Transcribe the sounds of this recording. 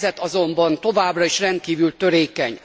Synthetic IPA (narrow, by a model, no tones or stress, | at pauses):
zɛt̪ɒzo̞mbɒnt̪o̞vaːbrɒiʃrɛnt̪̚kiːvylt̪ø̞ɾeːkɛɲ